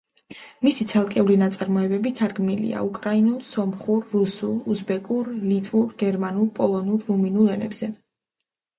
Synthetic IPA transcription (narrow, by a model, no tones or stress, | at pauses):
misit̪sʰalˠkʼɛulinat̪sʼaɾmɔɛbɛbit̪ʰaɾɡmilḭa̰ukʼɾainulˠsɔmχuɾːusulˠusbɛkʼuɾlit̪ʼuɾɡɛɾmanulˠpʼɔlˠɔnuɾːuminulˠɛnɛ̰bz̥ɛ